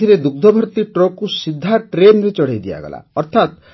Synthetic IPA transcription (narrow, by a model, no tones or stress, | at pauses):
iɾed̪uk̚d̪ʱɔbʱɔɾt̪iʈɾɔkusid̪ʱːaʈɾenɾet͡ʃɔɽ̤ajd̪ia̰ɡɔ̰la̰ɔɾt̪ʰat̪